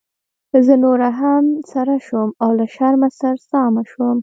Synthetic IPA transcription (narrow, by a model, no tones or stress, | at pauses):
zənoɾaɦamsaɾaʃumawlaʃaɾmasaɾsɑmaʃwom